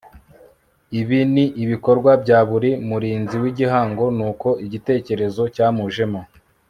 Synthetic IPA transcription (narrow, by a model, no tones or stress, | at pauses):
iβiniʔiβiko̞ɾɡwabɟaːβuɾimuɾiːnziwiɟiɦaːŋɡo̞nuːko̞iɟite̞ːce̞ɾe̞zo̞caːmuʒe̞mo